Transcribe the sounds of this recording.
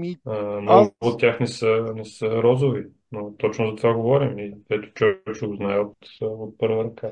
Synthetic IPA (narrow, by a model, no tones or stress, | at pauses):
ənoɡʊːt̪ːʲjaxnɛsənɛsəɾɔzʊvi | not̪ɔt͡ʃnʊzɐt̪ovaɡovɔɾimik̪ɛt̪ʊ̥t͡ʃovɛkt͡ʃɛɡoznaɛot̪ot̪̚pɤɾvəɾɐka